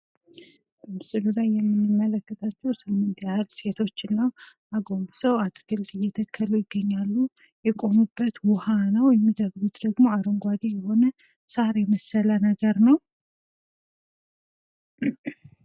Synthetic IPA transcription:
b̥əmɨsɨlulajːɛmːɨnːɨmːələkːət̪ʰʼat͡ʃːɛwsɨmːɨnt̪jahlse̞t̪ʰo̞t͡ʃːɨnːəw | aɡombusəwat̪ʰʼɨɡɨlt̪ʼɨjːɛt̪ʰəkʰːəlujɪɡːəɲːalːu | jɛkʼo̞nubːət̪wɔhanəwjɛmːid̪əɡɡut̪d̪əɡmo̞aɾoŋɡʷad̪ijɛho̞nə | saɾjɛməsəlanəɡəɾnəw

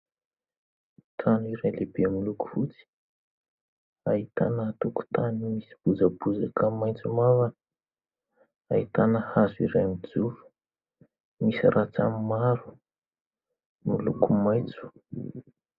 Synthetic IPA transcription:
t̪ʰaniɾalebemiluku̥fut͡si̥ | aɦit̪anət̪uku̥t̪animisi̥b̥ud͡zabud͡zakəmajnt͡sumavanə̥ | ait̪anəhazuḭɾamid͡zulu̥ | misirʔat͡sa̰mmaɾu̥ | milṵkumajt͡su̥

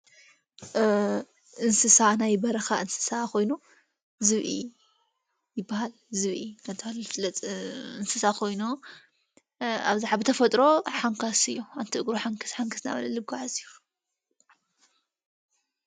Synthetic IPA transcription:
ʔɨnsɨsanajbɐɾɐxaʔɨnsɨ̥sako̞jnu | zɨβʔḭ | jɪbːahal | zɨβʔikʰɐnt̪ʰɨhalflɐt͡sʼɨnsɨsakʰo̞jnu | a̰βzaħabɨt̪ʰɐfɐt̪ʼɾo̞ħaŋkʰasɨjːuant̪ʰiʔɨɡɾoħaŋkʰɨ̥sħaŋkʰɨsna̰βɐlɐlɨb̚ɡaʕazɨjːu

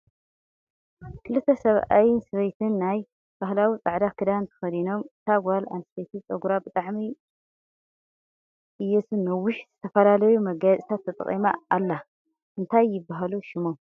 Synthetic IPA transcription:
kʰɨlɨt̪ʰːɐsɐβa̰jɪnsɐβejt̪ʰɨnːaj | b̥ahlawit͡sʼaʕd̪akʰɨd̪aɨnt̪ʰɐ̥xɐd̪ino̞mɨt̪ʰaɡʷala̰nst̪ʰet̪ʰit͡sʼɐɡuɾabɨt̪ʼaʕmi | ʔɨjːesunːɐwʊʃzɨt̪ʰɐfɐlalɐjumɐɡat͡sʼit̪ʰat̪ʰːɐt̪ʼɐ̰χʼḭma̰ːlːa | ʔɨnt̪ʰajːɪbːaɦaluʃɪmom

